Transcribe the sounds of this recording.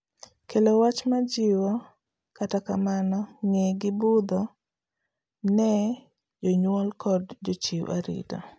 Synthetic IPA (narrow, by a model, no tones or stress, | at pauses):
kelowat͡ʃmad͡ʒɪwɔ | katakamanɔŋeɡɪbud̪ɔ | nɛ | d͡ʒɔɲwɔlkʰɔdd͡ʒɔt͡ʃiwʔa̰ɾḭda̰